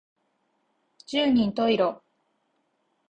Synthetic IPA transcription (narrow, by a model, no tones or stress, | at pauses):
d͡ʑɨːɲ̟ĩnt̪o̞iɾo